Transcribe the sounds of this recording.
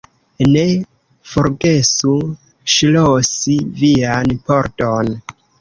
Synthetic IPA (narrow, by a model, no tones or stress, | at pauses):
ne̞ | foɾɡe̞su | ʃlosivianpoɾton